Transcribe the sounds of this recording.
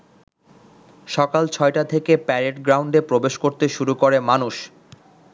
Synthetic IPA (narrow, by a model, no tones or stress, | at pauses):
ʃɔkalt͡ɕʰɔeʈat̪ʰekepɛɾeʈɡɾawɳɖepɾobeʃkoɾt̪eʃuɾukoɾemanuʃ